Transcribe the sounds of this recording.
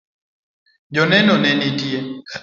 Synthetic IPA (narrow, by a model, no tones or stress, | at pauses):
d͡ʒɔnɛnɔnɛnitiɛ